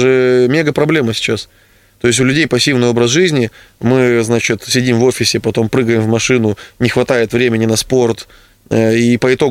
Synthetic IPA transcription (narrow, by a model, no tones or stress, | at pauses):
ʐɨmʲe̞ɡəpɾɐblʲe̞məsʲɪ̥t͡ɕas | t̪o̞jɪsʲʊlʲʉdʲejpɐsʲːivnɨjo̞bɾəsʐɨzʲnʲɪ | mɨznat͡ɕɪt̪sʲɪdʲimvo̞fʲɪsʲɪpɐt̪o̞mpɾɨɡəjɪmvmɐʂɨnʊnʲɪxvɐt̪ajɪt̪vɾʲemʲɪnʲɪnɐspo̞rt̪ | əipəɪt̪o̞